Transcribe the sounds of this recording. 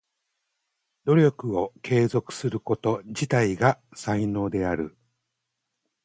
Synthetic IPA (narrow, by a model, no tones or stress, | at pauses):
d̪o̞ɾʲo̞kɯ̟o̞kʰe̞ːzo̞kɯ̥sɨɾɯ̟ko̞t̪o̞d͡ʑit̪aiɡasaino̞ːd̪e̞aɾɯ̟